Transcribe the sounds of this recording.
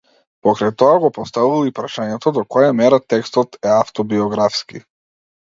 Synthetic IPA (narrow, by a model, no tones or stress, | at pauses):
pɔkɾajt̪ɔaɡɔpɔst̪avuvˠɔipɾaʃaɲɛt̪ɔd̪ɔkɔjamɛɾat̪ɛkst̪ɔt̪ɛaft̪ɔbiɔɡɾafski